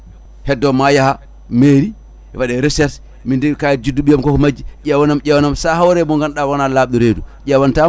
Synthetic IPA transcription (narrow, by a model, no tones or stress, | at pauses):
hɛdːɔmajaha | meɾi | waɗɛɾɛsɛs | mindɛkajd͡ʒuduɓijamkɔkɔmad͡ʒiɟɛwanamd͡ʒɛwanamsaɦawɾɛmɔŋɡanɗawanalaɓɗuɾedud͡ʒɛwanta